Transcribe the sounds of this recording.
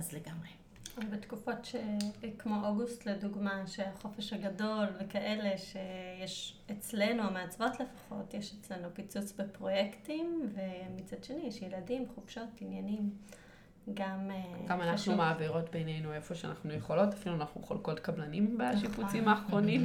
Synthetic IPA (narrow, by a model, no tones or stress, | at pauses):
azleɡamʁe | obetkufo̞tʃekmo̞ʔoɡustleduɡmaʃeaχo̞fe̞ʃhaɡado̞lvekaʔe̞le̞ʃe̞jeʃet͡sle̞nuameat͡svo̞tle̞fḁχo̞̰tjeʃet͡sle̞nupit͡sut͡sbepʁo̞jektimvemit͡sadʃe̞nijeʃjeladimχub̥ʃo̞tːinjanim | ɡameɡamanaχnumaːbiʁo̞tbenejnuefo̞ʃea̰naχnujeχolo̞tafiluanaχnuχolkotkablanimbeʃiput͡simaːχʁo̞nim